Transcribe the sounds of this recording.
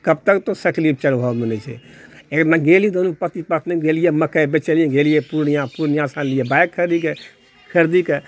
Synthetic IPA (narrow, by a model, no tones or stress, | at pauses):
kəb̚t̪əkt̪osəklip̚t͡ʃəlbʱɔmenɛt͡ʃʰɛ̰ekɾnaɡelj̃d̪onupət̪ipət̪niɡelijeməkəbet͡ʃəlijẽɡelijepuɾnijãpuɾnijãsãnlijebajkʰːəɾd̪ike | kʰəɾd̪ike